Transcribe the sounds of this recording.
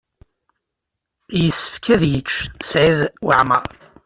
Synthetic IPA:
jəsːə̥fkʰæðjət͡ʃːsʕiðwəʕmə̰ʁ

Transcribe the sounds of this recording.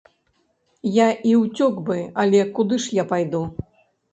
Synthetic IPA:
jaʔiwt͡sʲɔɡbɨɐlʲɛkud̪ɨʂjapajd̪u

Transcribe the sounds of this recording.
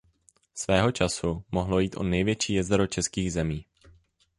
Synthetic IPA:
svɛːɦo̞t͡ʃasumoɦlo̞jiːt̪ʔonɛjvjɛt͡ʃiːjɛzɾo̞t͡ʃɛskiːɣzɛmiː

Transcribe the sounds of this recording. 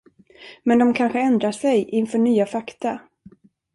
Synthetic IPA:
mɛnd̪ɔmkʰanɧəɛnd̪ɾaʂɛjʔɪnfœːɳyːafakt̪a

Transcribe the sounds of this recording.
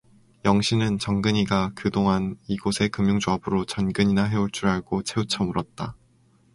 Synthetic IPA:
jʌŋɕʰinɯnt͡ɕʌŋɡɯɲiɡakɯdoŋɦaniɡosʰe̞kɯmjuŋd͡ʑoʌbɯɾot͡ɕʌnɡɯɲinaɦe̞uɭt͡ɕ͈uɾaɭɡot͡ɕʰe̞ut͡ɕʰʌmuɾʌt̚t͈a

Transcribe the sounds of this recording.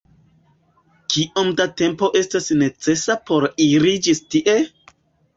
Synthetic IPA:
kiʔomdate̞mpo̞ʔe̞stasne̞t͡se̞sapo̞ɾiɾid͡ʒistiʔe̞

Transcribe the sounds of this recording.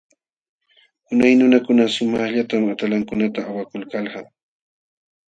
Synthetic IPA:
ʊnajnʊnakʊnasʊmɑχʎat̪amat̪alaŋkʊnat̪aːwakʊlkalɢɑm

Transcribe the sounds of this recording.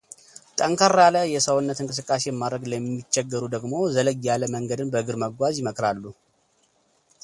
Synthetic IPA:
t̪ʼəŋkʰəɾaləjɛsəwnːət̪ɨŋkʼɨs̬ɨkʼːas̬e̞jɛmːad̪ɾəɡləmːit͡ʃːɛɡːəɾud̪əɡmo̞zələɡjaləməŋɡəd̪ɨnbəɨɡɨɾməɡʷazjɪməkʼɾalːu

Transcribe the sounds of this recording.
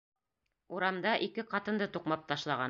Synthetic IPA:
uɾɑmd̪ɑʔikɘqɑt̪ɤ̆nd̪ɤt̪uqmɑp̚t̪ɑʃlˠɑʁɑ

